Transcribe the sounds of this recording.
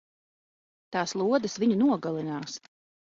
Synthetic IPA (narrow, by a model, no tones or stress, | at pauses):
t̪ɑːslˠuɔd̪ɨsviɲunuɔɡalˠinaːs